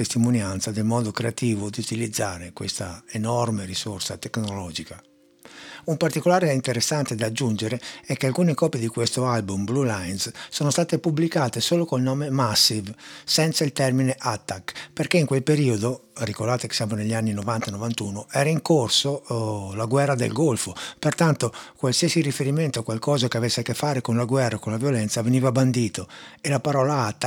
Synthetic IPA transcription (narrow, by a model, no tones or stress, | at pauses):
est̪imonjant̪sad̪elmɔːd̪okɾeat̪iːvod̪iut̪ilid̪zːaːɾekwḛst̪aenɔrmeɾisorsa̰t̪eknolɔːd͡ʒika | umpart̪ikolaːɾeint̪eɾesːant̪ed̪ad͡ʒːund͡ʒeɾeɛkːealkuːnekɔːpjed̪ikwest̪oalbumblulajnssɔːnost̪aːt̪epublikaːt̪esoːlokolnɔːmemasːivsɛnt̪sailt̪ɛrmineʔat̪ːakperkeiŋkwelpeɾiod̪orikoɾrd̪aːt̪eke̥sjaːmoneʎːianːinovant̪anovant̪uːnoɛːɾaiŋkorsolaɡwɛrːad̪ḛlɡolfopert̪ant̪okwalsiesirifeɾiment̪oakːwalkɔːzakeavesːekːefːaːɾekonlaɡwɛrːakonlavjolɛnt̪saveniːvaband̪iːt̪oelapaɾɔːlaat̪ːa